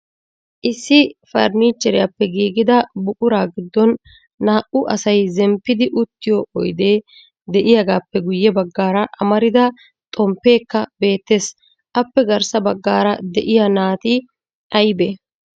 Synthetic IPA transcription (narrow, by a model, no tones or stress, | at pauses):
ʔɪsːɪfɐ̰ɾniːt͡ʃːɛɾɪjapːɛɡiːɡɪd̪ɐbʊkʼʊɾaːɡɪd̪ːɔnː | aːʔʊʔɐsɐjzɛmpːɪd̪ɪʔʊt̪ːɪjɔʔɔjd̪e̞ː | d̪ɛʔɪjaɡaːpːɛɡʊjːɛbɐɡːaːɾɐʔɐmɐɾɪd̪ɐ | t̪ʼɔmpːe̞ːkːɐbe̞ːt̪ːe̞ːs | ʔɐpːɛɡɐɾsɐbɐɡːaːɾɐd̪ɛʔɪjɐnaːt̪ɪ | ʔɐjbe